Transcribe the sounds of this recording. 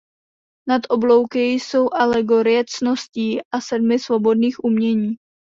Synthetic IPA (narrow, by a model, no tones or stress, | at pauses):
nat̪ʔo̞blowkɪjso̞wʔalɛɡo̞ɾɪjɛt͡sno̞sciːʔasɛdmɪsvo̞bo̞dniːxʔumɲɛɲiː